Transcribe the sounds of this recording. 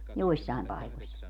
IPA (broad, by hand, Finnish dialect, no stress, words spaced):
joisːɑˑi̯m pɑikosʲ